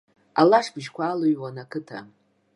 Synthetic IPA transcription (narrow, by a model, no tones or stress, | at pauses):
alaʂbɨʒkʷʰaːluɥwanakʰɨtʰa̰